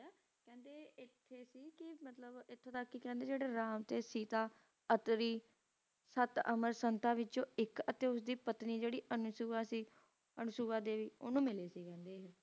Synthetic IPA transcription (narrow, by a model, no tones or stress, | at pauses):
kɛ̃ːnd̪eːɪt̪ʰːeːsiːkɪmət̪ləbɪt̪ʰːeːt̪əkːikɛ̃ːnd̪eːd͡ʒeːɽeːɾaːmt̪eːsiːt̪aː | ət̪ɾiː | sət̪ə̰məɾsənt̪aːʋɪt͡ʃõːɪkət̪eːʊsd̪iːpət̪niːd͡ʒeːɽiːənʊsuːaːsiː | ənʊsuːʋaːd̪eːʋiːʊ̰nũːmɪleːsiːkɛ̃ːnd̪eːɦ